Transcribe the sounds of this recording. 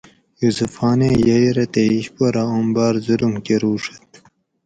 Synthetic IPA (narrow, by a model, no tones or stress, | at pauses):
jusufɑːnejɐjɾɐt̪eiɕpɐɾaombɑːɾzuɾumkeɾuːʂɐ̥t̪